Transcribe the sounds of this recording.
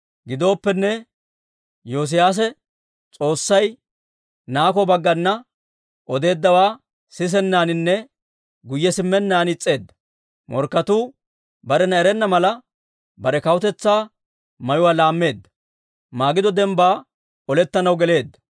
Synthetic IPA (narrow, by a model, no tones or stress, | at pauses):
ɡɪd̪o̞ːpːɛnːɛ | joːs̬ɪjaːs̬ɛ | t͡sʼo̞ːsːɐj | naːkɔbɐɡːɐnːɐ | ʔɔd̪e̞ːd̪ːɐwaː | sɪs̬ɛnːaːnɪnːɛ | ɡʊjːɛsɪmːɛnːaːnɪt͡sʼːe̞ːd̪ːɐ̥ | mɔ̰ɾkːɐt̪uː | bɐɾɛnɐɛɾɛnːɐmɐlɐ | bɐɾɛkɐwʊt̪ɛt͡sːaː | mɐjʊwaːlaːmːe̞ːd̪ːɐ̥ | maːɡɪd̪ɔd̪ɛmbaː | ɔlɛt̪ːɐnɐwɡɛle̞ːd̪ːɐ̥